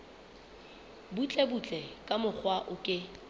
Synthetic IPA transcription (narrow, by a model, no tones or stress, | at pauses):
but͡ɬʼɛbut͡ɬʼɛkʼamʊk͡xʰwaʔʊkʼɪ